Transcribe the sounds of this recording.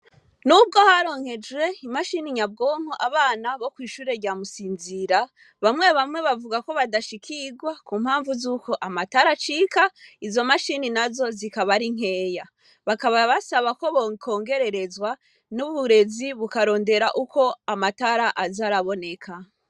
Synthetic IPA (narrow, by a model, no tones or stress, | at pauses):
nub̚ɡo̞haɾo̞ŋ̥he̞d͡ʒwe̞imaʃiniɲab̚ɡo̞ːŋ̥hoʔaβaːnaβo̞kwiːʃuːɾe̞ɾɟaːmusiːnziɾa | βamŋe̞βamŋe̞βavuɡako̞βadaʃikʰiɡwakuːmhaːɱvuzuko̞ʔamataɾat͡ʃiːkaizo̞maʃininazo̞zikaβaɾiŋ̥ɦe̞ːja | βakaβaβasaβako̞βoŋkʰo̞ːŋɡe̞ɾe̞ɾe̞zwa | nuβuɾe̞ziβukaɾo̞ːnde̞ɾaʔukʰo̞amataɾaʔazaɾaβo̞ne̞kʰa